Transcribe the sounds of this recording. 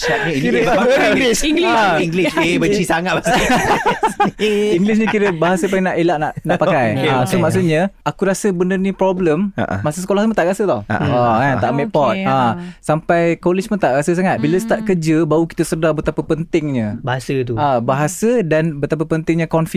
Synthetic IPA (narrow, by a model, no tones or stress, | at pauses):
ʃat̚ɲəiɡiɡlisiŋɡliiɡlisebət͡ʃisaŋat̪̚bas | iŋɡlɪs̬ɲə̃kiɾəbaɦasəpaŋnaʔelaʔnaʔnapakkajasomaʔs̬ut̪̚ɲəakuɾasəbənərnipɾɔbləma̰ʔmaʔsəsəkolahtmət̪aʔrasət̪ɔha̰ɔana̰ʔmeʔpɔt̪̚ãsampajkɔlit͡ʃmənt̪aʔɾasəs̬aŋat̪̚biləst̪aʔkəd͡ʒəbauki̥t̪əsərdabət̪apəpənt̪ɪŋɲə̃baɦasət̪̬uabaɦasədanbət̪ap̬əpənt̪ɪŋɲəkɔnfi